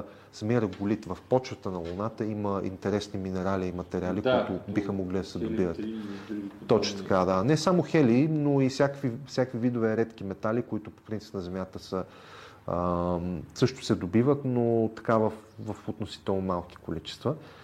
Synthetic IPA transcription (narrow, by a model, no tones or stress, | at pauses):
sɐmiəɾəɡʊlit̪vɐfpɔt͡ʃvət̪ənɐlˠʊnat̪əiməḭnt̪ɛɾɛsniminɛɾaliːmɐt̪ɛɾialikot̪ʊbixəmoɡlid̪ɐsɛd̪ʊbivət̪ | t̪ːɔt͡ʃət̪ɐ̥kad̪anɛsamoxɛlinoifsʲakvifsʲjakvivid̪ʊvɛɾɛt̪k̟imɛt̪alikoit̪ʊpo̥pɾint̪si̥pnɐzɛmʲjat̪əsə | ə | sɤʃt̪ʊ̥sɛd̪obivət̪not̪ɐ̥kavəfvəfot̪nosi̥t̪ɛlˠnɐmalˠki̥kolit͡ʃɛ̥st̪və